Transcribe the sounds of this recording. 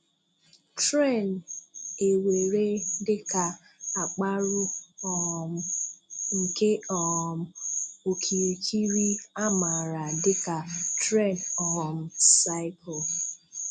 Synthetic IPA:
tɾe˦˨n | e˨we˨ɾe˦dɪ˦ka˨ | a˨k͡pa˦ɾʊ˦ɔ˦˨m̩˦ŋ̩˨ke˦ɔ˨m̩˦o˨kʰi˨ɾi˨kʰi˦ɾi˦a˦ma˨ɾa˨dɪ˦ka˨tɾɛ˦˨ndɔ˨m̩˦sa˦ɪ˦kɔ˨

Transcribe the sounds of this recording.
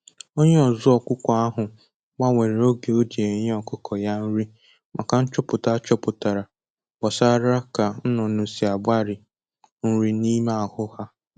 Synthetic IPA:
o˦ɲe˦ɔ˨zʊ˦ɔ˨kʷʊ˦kʷɔ˨a˦ɦʊ˨ | ɡ͡ba˦ŋʷe˨ɾe˨o˦ɡe˨o˦di˨e˨ɲe˦ɔ˨kʊ˦kʰɔ˨ja˦n̩˦ɾi˦ | mʔa̰˨ka˨n̩˦t͡ʃʊ˦pʊ˨ta˦t͡ʃɔ˦pʊ˨ta˨ɾa˨ | bɔ˨saː˦ɾa˦ka˨n̩˦nʊ˨nʊ˨si˨a˨ba˦ɾɪ˨ | n̩˦ɾi˦ni˦ma˦a˨hʊ˦ha˦

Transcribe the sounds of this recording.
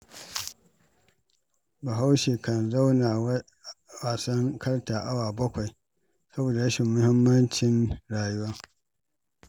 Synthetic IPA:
ba˨ɦa˦wʃeː˨kɐ˨nza˦wna˨ | waː˨sɐ˦ŋkʰɐ˦ɽtaː˨ʔa˦waː˨bɐ˦kʷa˨j | sɐ˦boː˨da˨ɽɐ˦ʃɪ˨mːʊ˦hɪ˦mːɐ˦nt͡ʃɪ˦nɽaː˨jʊ˦waː˦

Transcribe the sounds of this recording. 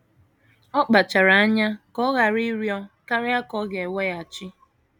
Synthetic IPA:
ɔ˦k͡pa˨t͡ʃa˨ɾa˨a˦ɲa˦kɔ˦ɣa˨ɾi˦ɾjɔ˦ka˦ɾɪ˦a˦kɔ˦ɡe˨we˦ja˨t͡ʃɪ˦

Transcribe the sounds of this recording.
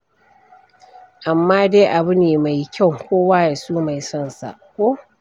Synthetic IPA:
ʔa˨mːaː˦deː˦ʔa˨bʊ˦neː˨ma˨jkʲa˦˨wkʷoː˦waː˦je˨suː˦ma˨jsɔ˦˨nsa̰˨ʔkʷo˦

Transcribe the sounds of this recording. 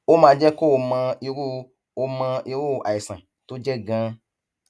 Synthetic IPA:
o˦mãː˧d͡ʒɛ˦ko˦o˧mã˧i˧ɾu˦ | o˧mã˧ʔi˧ɾu˦a˨i˨sã˨ | to˦d͡ʒɛ˦ɡã˨˦

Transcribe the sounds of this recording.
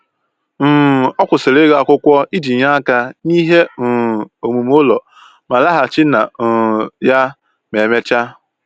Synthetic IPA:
m̩˨ɔ˦kʷʊ˨se˨ɾe˦ɣa˦a˦˨kʷʊ˦kʷɔ˦i˦di˨ɲa˦a˦ka˦ni˦ɦe˦˨o˨mu˨m˦o˦lɔ˨ | ma˨la˦ɦa˨t͡ʃɪ˦na˨ja˦ | me˨me˦t͡ʃa˦

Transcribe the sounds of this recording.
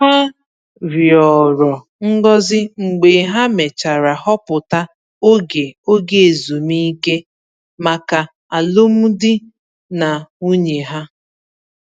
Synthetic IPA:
a˦ | ɾjɔ˨ɾɔ˨ | ŋ̩˦ɡɔ˦zɪ˦ŋ͡m̩˨ɡ͡be˨ɦa˦me˨t͡ʃa˨ɾa˨hɔ˦pʊ˨ta˦ | o˦ɡe˨o˦ɡe˨e˨zu˨mi˦ke˦ | ma˨ka˨ | a˨lo˦m̩˦dɪ˦ | na˨u˦ɲe˨ɦa˦

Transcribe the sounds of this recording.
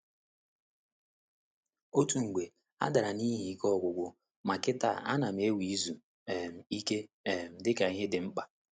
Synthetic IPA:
o˦tu˨ŋ̩˨ɡʷe˨ | a̰˦da˨ɾa˨ni˦ɦi˨kɔ˦˨ɡʷʊ˨ɡʷʊ˨ | ma˨kɪ˦ta̰˦˨a̰˦na˨me˦wi˦zu˨ | e˨m̩˨i˦ke˦˨m̩˨dɪ˦ka˨i˦ɦe˦dɪ˨ŋ͡m̩˦k͡pa˨

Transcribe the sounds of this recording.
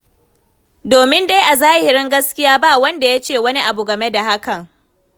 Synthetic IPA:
doː˨mɪ˦nda˦jʔa˨zaː˦hɪ˨ɾɪ˦ŋɡɐ˦skʲɪ˦jaː˦ba˦˨wɐ˦nda˨ja˦t͡ʃeː˦˨wɐ˦ni˦ʔa˨bu˨ɡɐ˨me˦da˨ha˦kɐ˨ŋ

